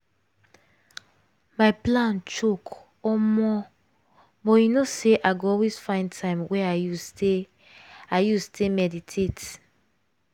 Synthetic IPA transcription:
maɪplãnt͡ʃok | ɔmɔ | bɔjinoseʔaɡoɔlwezfãɪ̃ntʰãɪ̃mwɛajuse | ajustʰemɛditʰet

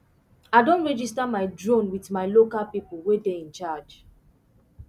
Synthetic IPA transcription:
aɪdõntɹɛd͡ʒistamaɪdɹõnwitmaɪlokalpipulwedeĩnt͡ʃad͡ʒ

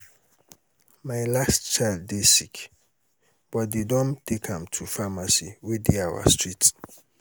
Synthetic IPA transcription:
majlastt͡ʃajldːesik | b̥ɔt̚d̪edɔ̃ntʰekʰãmtʰufamasiwidiawa̰stɹit

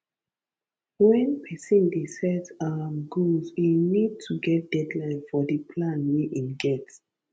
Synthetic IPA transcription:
wɛ̃npʰɛsĩndisɛzãmɡuzwinid̚tʰuɡɛt̚d̥ɛdlãɪ̃nfɔdipʰlãnwiʔĩnɡɛts

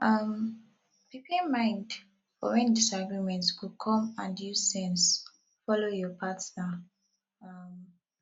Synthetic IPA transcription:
ʔʌm | bipẽmãɪ̃nd | fɔ̰wɛ̃ndisaɡɹimɛ̃ntskukʰɔ̃mãnjusɛ̃ns | fɔlojɔpʰatna | ʌm

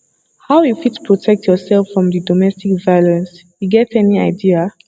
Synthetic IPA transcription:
haʊjufitpʰɹɔtʰɛk̚tʰjɔsɛlˠfɹɔ̃mðɨdɔmɛstikvajlɛ̃ns | juɡɛtɛniaɪdia

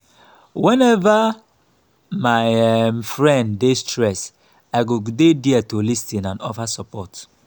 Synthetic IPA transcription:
wɛ̃nɛva | maɪmfɹɛ̃nddestɹɛs | aɪɡodediatolistĩnãnɔvasɔpɔt

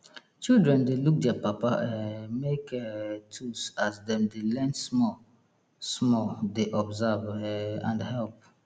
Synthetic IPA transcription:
t͡ʃildɹɛ̃ndeluk̚dɛapapaʔɛmekʰɛtʰusasdɛ̃mdelɛ̃nsmɔ | smɔldeʔɔbzavɛãndhɛlp̚

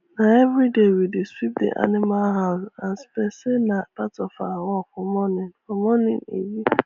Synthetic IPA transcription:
nãɛvɾidewidesip̚dḛʔa̰nɪmalɦaã̰n̩spɛsenãpatɔfawɔfʊmɔ̃nɪ̃nfɔmɔ̃nɪ̰̃nḛji

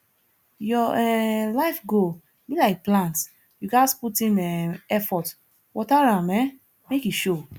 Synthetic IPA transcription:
jɔɛlaɪfɡo | bilaɪk̚plãnts | juɡasputĩmɛɛfɔt | wɔtaɹãmɛ | mekiʃo

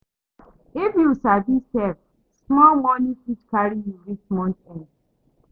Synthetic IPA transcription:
efjusadistɛv | smɔlmɔnĩfit͡ʃkaɹijuɹit͡ʃmɔ̃ntɛ̃nd

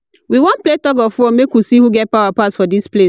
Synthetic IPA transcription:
wiwɔ̃npletɔɡɔfɔmekwusihuɡɛt̚paʊwapatsfɔdisple

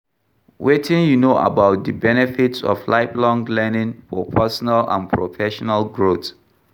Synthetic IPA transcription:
wetʰɪ̃njunoʔa̰baʊt̚dəbɛnɛfitsɔ̰flaɪplɔ̃ŋlɛnɪ̃nfɔpʰɛsɔnalã̰npʰɹofɛʃɔnalɡɹot

